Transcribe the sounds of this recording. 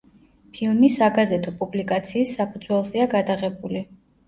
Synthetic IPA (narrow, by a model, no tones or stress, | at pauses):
pʰilˠmisaɡazɛt̪ʰɔpʼublikʼat̪sʰiːsːapʰud̪zwɛlˠzɛaɡad̪aʁɛbuli